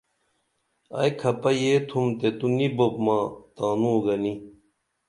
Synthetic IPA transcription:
ɐ̰jkʰɐpɐjeːt̪ʰumt̪et̪unibopmaːt̪aːnũːoɡɐni

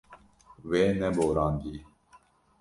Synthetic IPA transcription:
ʋeːnɛboːɾãːnd̪iː

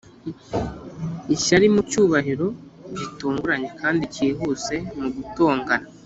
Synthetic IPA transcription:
iʃaɾimucuːβaɦiɾo̞ɟituːŋɡuɾaɲe̞kaːndiciːɦuːt͡se̞muɡuto̞ːŋɡana

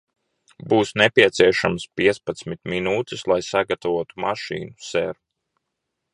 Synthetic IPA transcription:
buːsnɛpʲiɛt̪siɛʃamspiɛt̪spat̪smit̪minuːt̪ɪslˠajsaɡat̪avuɔt̪u̥maʃḭːnusɛɾu

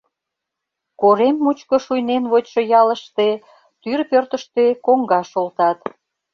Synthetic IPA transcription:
koɾemːut͡ɕkŏʃujnenβotʲʃojɑləʃt̪e | t̪yrpørt̪ə̆ʃt̪ekoŋɡɑʃolt̪ɑt̪

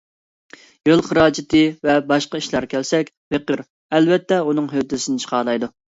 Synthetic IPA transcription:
jølˠχəɾɑːd͡ʒɪt̪ʰɨvɛbɑʃqɑiʃlˠɑɾkʲʰɛlsɛkʲ | feqəɾ | ɛlvɛt̪ʰːɛunɨŋɦøt̪ːɪsɪnɪt͡ʃʰə̥qʰɑːlˠɑjd̪u

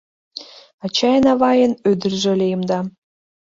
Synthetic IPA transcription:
ɑt͡ɕɑjənɑβɑjənød̪ə̆rʒø̆lʲejəmd̪ɑ

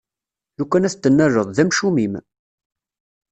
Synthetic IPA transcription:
lukʷːænæθt̪ːənːæɾəðˤðæmʃumim

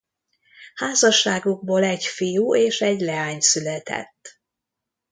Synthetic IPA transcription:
haːzɒʃːaːɡuɡ̚boːlɛcfijuːʔeːʃɛɟlɛaːɲsylɛt̪ɛ̰t̪ː

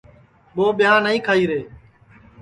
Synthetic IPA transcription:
ɓoːɓɪjãːnəĩːkʰaːiːɾeː

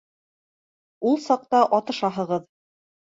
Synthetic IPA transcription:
ulˠsɑq̚t̪ɑʔɒt̪ɤ̆ʃɑɦɤ̆ʁɤð

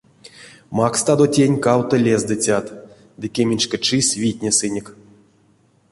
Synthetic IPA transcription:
makst̪ad̪otʲenʲkawt̪ɨlʲezd̪ɨt͡sʲat̪ | d̪ɨkʲemʲinʲt͡ʃkʲet͡ʃɨsʲvʲit̪ʲnʲesɨnʲik

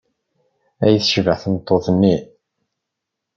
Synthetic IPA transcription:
æjθʃvəʕθnt̪ˤːoðˤnːi

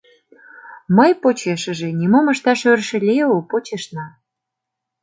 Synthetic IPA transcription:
məjpot͡ɕeʃə̆ʒenʲimoməʃt̪ɑʃørʃĕlʲeopot͡ɕeʃnɑ

